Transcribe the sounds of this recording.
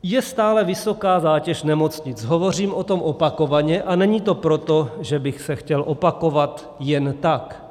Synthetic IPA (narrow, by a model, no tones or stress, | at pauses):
jɛst̪aːlɛvɪso̞kaːzaːcɛʃnɛmo̞t͡sɲɪt͡sɦovo̞r̝iːmʔo̞t̪o̞mʔopako̞vaɲɛʔanɛɲit̪o̞pɾo̞t̪o̞ʒɛbɪxsɛxcɛlʔo̞pako̞vat̪ | jɛnt̪ak